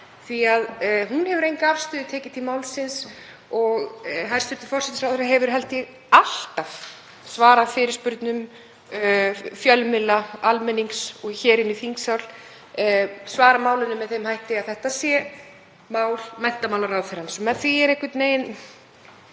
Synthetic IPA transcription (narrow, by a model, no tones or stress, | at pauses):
θiaðɦunhɛvʏɾejnkaafst̪ʏːðɪt̪ʰɛːcɪt̪ʰilmaːwlsɪns | ɔɣɦajɾ̥st̪ʏt̪ːɪ̥fɔrsɛt̪ɪsɾawθɪɾaɦɛvʏɾ̥ɦɛlt̪ɪ | al̥t̪av̥ | svaːɾafɪːɾɪɾ̥spʏɾt̪nʏm | fjœlmɪlaalmɛnːiŋksɔɣçɛːɾɪnːɪfiŋksawl | svaːɾamaːwlɪnʏmɛðθejmhajht̪ɪaðθɛht̪asjɛ | maːwlmɛn̥t̪amawlarawθɪɾansɔmɛnθviɛɾɛhkvɪt̪neːjn